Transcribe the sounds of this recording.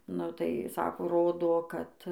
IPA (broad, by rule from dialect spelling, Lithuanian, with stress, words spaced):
nʊ tɐɪ ˈsɑːkoː ˈroːdoː ˈkɐt